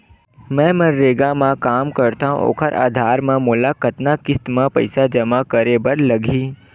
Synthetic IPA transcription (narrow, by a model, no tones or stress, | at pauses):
mɛ̃ːmɐɾːeːɡamãkaːmkɐɾt̪aɦṵ̃o̰ːkʰəɾʔa̰ːd̪ʱaːɾmẽmʊlakət̪nakɪst̪mãpɐ̰ɪsad͡ʒɐmakəɾebəɾlɐɡʱiː